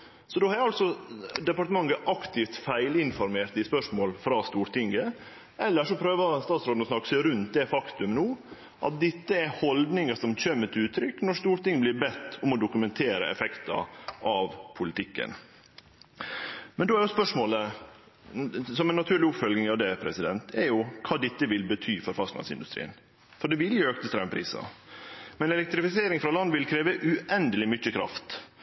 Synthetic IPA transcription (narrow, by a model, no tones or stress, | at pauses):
sɔd̪oːhɑɾɛɾɑlsɔd̪ɛpɑʈəmɑŋːəʔɑkt̪ɪft̪fæɪlɪnfɔɾmeːɾt̪ɪspœʂmoːlfɾɑːst̪uːɾt̪ɪŋɡə | ʔɛlːəʂɔpʰɾøːʋəst̪ɑːt̪sɾoːd̪ɔsnɑkːə̥sæɾʉnt̪̚d̪ɛfɑkt̪ʉmnuː | ʔɑ̰t̪̚d̪ɪt̪ːəɛhɔld̪nɪŋəsɔmçøːmət̪ʰɪʉːt̪ʰːɾʏkːnɔʂt̪uːɾʈ̪ɪŋːəblɪɾbɛt̪ːʊmɔd̪ʊkʉmɛnt̪ʰeːɾə̰ɛ̰fɛkt̪ɑ̰ʔɑʋpʰʊlɪt̪ɪkːə̰n | mɛnd̪oːæɾjʊspœʂmoːlə | sɔmɛnːɑt̪ʰʉːɾɭlɪʊpfœlɡnɪŋɑʋd̪ɛpʰɾɛsɪd̪ɛnt̪ʰɛɾjʊkʰɑːd̪ɛt̪ːəʋɪlbət̪ʰyːfɔɾfɑk̪lɑ̰nsɪnd̪ʉst̪ɾḭːən | fɔɖɛʋɪljʊøːk̚t̪əst̪ɾæməpʰɾḭːsɑ̰mɛnɛlɛk̚t̪ɾɪfɪseːɾɪŋfɾɑlɑnʋɪlkʰɾeːʋəʔʉʔɛnd̪əlɪmʏçːəkʰɾɑ̰ft̪